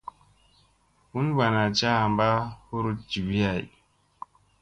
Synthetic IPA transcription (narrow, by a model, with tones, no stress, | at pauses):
hu˦nba˨na˨t͡ʃa˦a˨mba˦hu˦ɾu˦t̚d͡ʒi˨bi˦a˨j